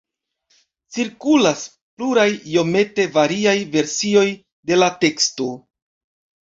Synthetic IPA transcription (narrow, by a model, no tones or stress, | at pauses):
t͡siɾkulas | pluɾajːo̞me̞te̞vaɾiajve̞ɾsio̞j | de̞late̞ksto